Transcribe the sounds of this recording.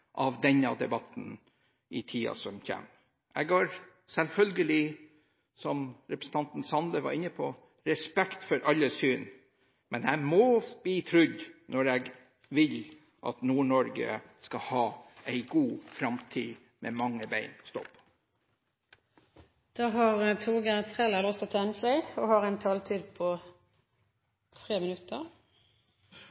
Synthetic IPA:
ʔɑʋd̪ɛnɑd̪ɛbɑt̪n̩ | ɪt̪ʰiːɑ̰sɔmçɛ̰m | ʔɛɡoːɾ | sɛlfœlɡəlɪ | sɔmɾɛpɾəsn̩t̪ʰɑnt̪n̩sɑnd̪əʋɑ̰ɾɪnːəpʰɔ | ɾɛspɛkt̪fɔɾʔɑlːəsyːn | mɛnæɪmɔb̥liːt̪ʰɾʏɟnʔɔɾɛɡ | ʋɪl | ʔɑ̰t̪nuːɳɔɾɡə̰skɑhɑːʔæɪɡuːfɾɑmt̪ʰiː | mʔɛ̰mɑŋːəbæɪnst̪ɔ̰pː | d̪̥ɑːɦɑʁət̪ʰuːɡət̪ʰʁɛləlɔsɔt̪ʰɛnsæɪɔhɑɾɛɪnt̪ʰɑːlt̪ʰid̪pʰɔ | t̪ʰɾeːmɪnʉt̪ːəʁ

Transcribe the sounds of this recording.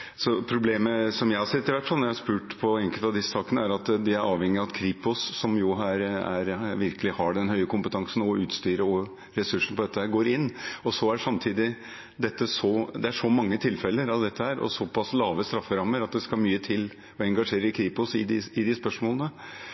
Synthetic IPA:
sɔpʰɾʊbleːməsɔmjæɪhɑʂɛt̪ːɪʋæʈːfɑlnɔɾjæɪhɑʂspʉːʈpʰɔɛŋkəlt̪ɑʋd̪ɪsːə̥sɑːkənəæɾɑt̪d̪ɪæɾʔɑːʋhɛŋːɪɑɑt̪kʰɾiːpʊsːɔmjʊɦæːɾæ̰ɾʋɪɾkəlɪhɑɖɛnhœʏəkʊmpət̪ʰɑŋsnɔʉːt̪st̪yːɾəɔ | ɾɛsʉʂɳ̩pɔd̪ɛt̪ːəhæːɾɡoːɾɪnːɔsɔæʂɑmt̪ʰiːd̪ɪ | d̪ɛt̪ːəsɔd̪ɛæʂɔmɑŋːət̪ʰɪlfɛlːəɾɑʋd̪ɛt̪ːəhæːɾʔɔ̰sɔpʰɑslɑːʋəst̪ɾɑfːəɾɑmːəɾɑt̪̚d̪ɛskɑmyːət̪ʰɪl | ɔɛŋɡɑʂeːɾəɾkʰɾiːpʊsɪd̪ɪɪd̪ɪspœʂmoːlənə

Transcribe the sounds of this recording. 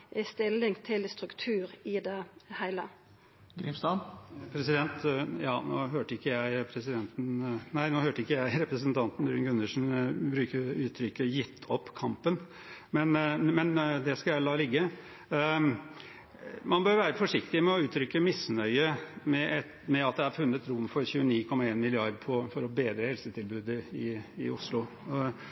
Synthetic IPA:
ʔɛst̪ɪlːɪŋt̪ʰɪlst̪ɾʉkt̪ʰʉːɾɪd̪ɛhæɪlə | ɡɾiːmst̪ɑnpʰɾɛsɪd̪ɛnt̪jɑːnoːɦøːʈəɾɪkːəjæɪpʰɾɛsɪd̪ɛnt̪n̩næɪnoːhøːʈəɾɪkːəjæɪɾɛpɾəsənt̪ʰɑnt̪n̩d̪ɾʉːŋɡʉnːəʂn̩bɾʉːkəʉːt̪ʰɾʏkːəjɪt̪ʰːɔpːkʰɑmpən | mɛnmɛnd̪ɛskɑljælɑːlɪɡːə | mɑnbøːɾʋæːɾəfɔʂɪkt̪ɪmɛɔʉːt̪ʰɾʏkːəmɪsnœʏəmɛʔɛt̪ | mɛɑt̪̚d̪ɛɑɾfʉnːət̪ɾʊmːfɔɾçʉːəniːkʰɔmːɑeːnmɪlɪɑɾd̪pʰɔfɔɾɔbeːd̪ɾəhɛlsət̪ʰɪlbʉːd̪əɪɪ̰ʊslʊ

